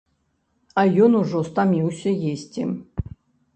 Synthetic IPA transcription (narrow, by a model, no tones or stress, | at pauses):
ɐjɔnuʐɔst̪amʲiwsʲɐjesʲt͡sʲi